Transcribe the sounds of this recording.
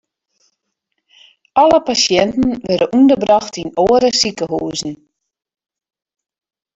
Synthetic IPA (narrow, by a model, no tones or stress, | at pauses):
ʔɑləpasjɛntn̩ʋɛdəʔundəbrɑxtinoːəɾəsikəɦuːzn̩